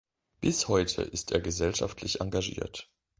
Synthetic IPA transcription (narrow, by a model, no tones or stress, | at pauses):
b̥ɪshɔʏtʰə̰ʔɪsteːɐɡəzɛlʃaftʰlɪçʔaŋɡaʒḭːɐt